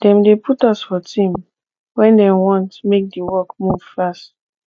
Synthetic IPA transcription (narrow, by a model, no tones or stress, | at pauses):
d̥ɛ̃mdepʰutɔsfɔtʰĩm | wɛ̃ndɛ̃mwɔ̃ntmek̚diwɔkmuv̥fast